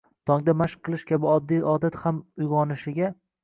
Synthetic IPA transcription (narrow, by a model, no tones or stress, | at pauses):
t̪ʰɒŋd̪amaʃqʰːɨlˠɪʃkʲabɪɒd̪ːijʔɒd̪at̪hamʊjʁɒnɪʃɪɡʲa